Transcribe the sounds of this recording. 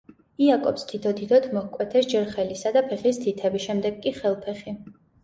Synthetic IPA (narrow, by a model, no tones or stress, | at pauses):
iakʼɔ̰pst̪ʰit̪ʰɔd̪id̪ʰɔt̪ʰmɔhkʼwɛt̪ʰɛsd͡ʒɛɾχɛlisad̪apʰɛχist̪ʰit̪ʰɛbiʃɛmd̪ɛɡkʼːiχɛlˠpʰɛχi